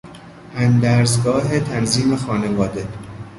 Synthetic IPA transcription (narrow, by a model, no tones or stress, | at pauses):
ʔænd̪æɾzɡɒːɦet̪ʰænziːme̞xɒːnevɒːd̪e